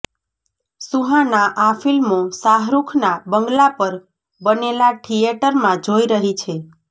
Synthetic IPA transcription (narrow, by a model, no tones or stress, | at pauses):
suɦãnaʔafilmosaɦɾukʰnabəŋɡlapəɾ | bənelaʈʰijeʈəɾmãd͡ʒoiɾəɦit͡ʃʰe